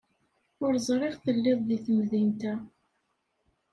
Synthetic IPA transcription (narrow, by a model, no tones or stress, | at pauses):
ʊɾzˤɾˤɪʁθəlːɪðˤðiθəmðint̪æ